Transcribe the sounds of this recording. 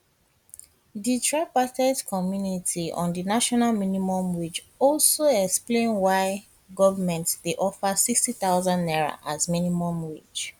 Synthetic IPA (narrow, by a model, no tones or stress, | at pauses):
ditʰɹapatɛdkʰɔmjunitʰiɔ̰̃ndinaʃɔnalminimɔ̃mwid͡ʒ | ɔlsoɛksplẽnwaɪ | ɡɔvamɛ̃ntsdeʔɔfəsikstiθaʊzãndɛɹa̰ʔazminimɔ̃mwit͡ʃ